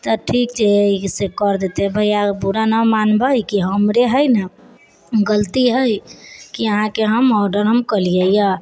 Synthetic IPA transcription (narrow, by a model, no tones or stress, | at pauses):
t̪əʈʰikt͡ʃʰeisekɔɾd̪et̪ebʱəjabuɾanəmanbəjkiɦəmɾeɦəjnə | ɡəlt̪iɦəjkiəɦãkeɦəmɔɾɖəɾɦəmkəlijəja